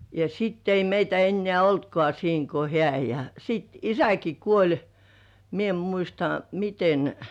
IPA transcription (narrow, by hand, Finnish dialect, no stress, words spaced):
jɑ sitː ei meitæ enːĕæˑ oltkŏɑˑ siːŋ ko hĕæˑ jɑ sit isæki kuolʲ mie em muistɑ miten